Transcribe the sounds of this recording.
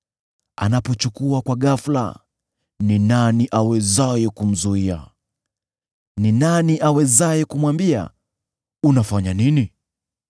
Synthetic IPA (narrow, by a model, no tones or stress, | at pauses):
a̰napɔt͡ʃukuakwaɠafla̰ | ninaniʔawɛzajɛkum̩zuia̰ | ninaniʔawɛzajɛkumwambia̰ | unafaɲanini